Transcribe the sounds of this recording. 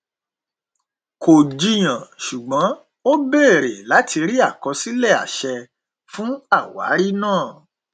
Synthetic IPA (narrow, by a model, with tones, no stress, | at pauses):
ko˨d͡ʒi˧j̃ã˨ʃu˨ɡ͡bɔ̃˨˦ | o˦be˦˨ɾe˨la˨˦tʰi˧ɾi˦a˦˨kɔ˧si˦lɛ˦˨a̰˨ʃɛ˧ | fũ˦a˦˨wa̰˨˦ɾi˦nãː˦˨